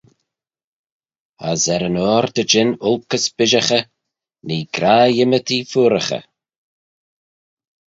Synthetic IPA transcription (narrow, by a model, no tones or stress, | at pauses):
azɛɾənɔːɾd̪əd͡ʒɪnʊlkəsb̥ɪʒəxə | niːɡɾaːjɪmət̪ʰifuːɾəxə̰